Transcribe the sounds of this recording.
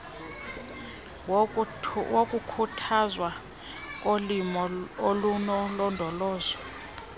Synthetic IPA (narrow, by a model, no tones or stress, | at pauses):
wokʼukʰutʰazwa | k̬ʼolimɔolunɔlɔndʱɔlɔːzwɔ